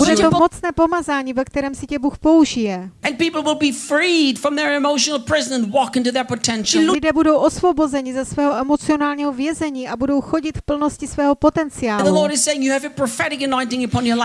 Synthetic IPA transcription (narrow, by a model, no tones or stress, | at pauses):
budɛt̪omo̞t͡snɛːpo̞mazaːɲiːvɛkt̪ɛɾɛːmsɪcɛbuxpo̞uʒɪjɛɨ̃npipl̩ˠwɪlˠbifɹid̥fɹʌ̃mðə˞ɨmoʊʃnl̩ˠpʰɹ̥ɪznə̃nwɔkɪ̃ntuðə˞pɨtʰɛ̃nʃ̩ʊlɪdɛːbudo̞wʔosvo̞bo̞zɛɲɪzasvɛːɦoʔɛmo̞t͡sɪonaːlɲiːɦovjɛzɛɲiːʔabudo̞wxo̞ɟɪt̪fpl̩no̞scɪsvɛːɦopo̞t̪ɛnt͡sɪjaːlðəulɔɹɾɨz̥seɪɪ̃ŋjɨːvɨpʰɹ̥əfɛɾɪkɨnãɪ̃ntɪ̃ŋɨpʰɑ̃njə˞la